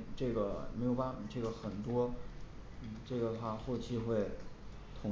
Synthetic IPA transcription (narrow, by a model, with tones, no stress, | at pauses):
ʈ͡ʂɤ˥˩ɡə˩me˧˥jʊpa˥˩˨ʈ͡ʂɤ˥˩ɡə˩xə˨˩nt̪wɔ˥ | n̩˥˩ʈ͡ʂɤ˥˩ɡə˩t̪ʰwa˥˧xo˥˩ʊt͡ɕʰi˥xwe˥˩ɪ | t̪ʰʊ˧˥